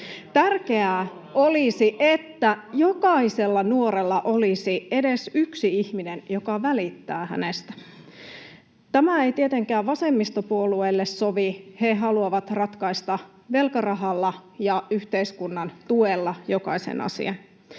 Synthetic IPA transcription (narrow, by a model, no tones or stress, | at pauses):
t̪ærke̞æ | olisiʔet̪ːæjo̞kɑise̞lːɑnuo̞ɾelːɑʔo̞lisie̞de̞syksiiçminenjo̞kɑʋælit̪ːæːhæ̰nest̪æ̥ | t̪æmæe̞jt̪iet̪eŋkæːʋʋɑsemːist̪opuoluelːessoʋihe̞ɦɑluɑʋɑt̪rɑt̪kɑist̪ɑ | ʋe̞lkɑrɑɦɑlːɑjɑyht̪eiskunːɑnt̪uelːɑjo̞kɑ̰isḛnɑ̰sḭɑn